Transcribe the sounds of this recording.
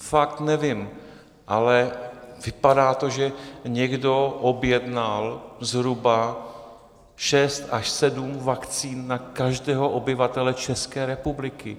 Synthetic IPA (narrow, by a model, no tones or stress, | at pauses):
fakt̪nɛvɪm | ʔalɛ | vɪpadaːt̪o̞ʒɛɲɛɡdo̞ʔobjɛdnalzɦɾuba | ʃɛst̪aʃsɛdumvakt͡siːnːakaʒdɛːɦoʔobɪvat̪ɛlɛt͡ʃɛskɛːɾɛpublɪkɪ